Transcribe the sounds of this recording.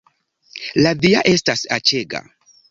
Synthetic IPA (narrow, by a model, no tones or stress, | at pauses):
ladia̰ʔe̞stasat͡ʃe̞ɡa̰